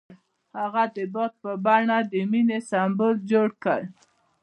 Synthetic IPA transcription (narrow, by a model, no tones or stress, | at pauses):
haɣad̪əbot̪̚pəbɑɳad̪əminesɑmbʊld͡ʒoɽkəɽ